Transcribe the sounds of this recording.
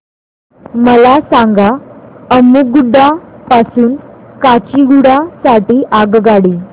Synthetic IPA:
məlasaŋɡaəmuɡuɖapasuːnkat͡ɕiɡuɽasaʈiːʔaɡɡaɽiː

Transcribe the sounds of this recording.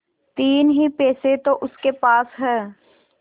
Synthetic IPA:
t̪iːnɦipeːset̪oʔʊskepaːsɦɛ̃ː

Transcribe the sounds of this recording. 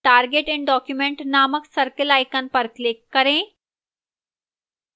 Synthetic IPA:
ʈaːɾɡeʈɛ̃ɳɖɔːkjumẽɳʈnaːməksɐɾkəlaːjkənpɐɾklekːɐɾẽː

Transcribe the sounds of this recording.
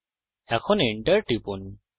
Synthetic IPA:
ɛkʰɔniɳʈəɹʈipun

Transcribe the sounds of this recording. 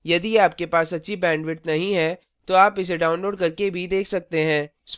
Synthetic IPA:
jɐd̪iaːpkepaːsɐtːʃʰibɛ̃ːɳɖʋɪʈnɐɦĩɦɛ | t̪oaːpɪs̬eɖaːʊ̃nloːɖkɐɾkebʱid̪eːkʰsɐk̚t̪eɦɛ̃ːs

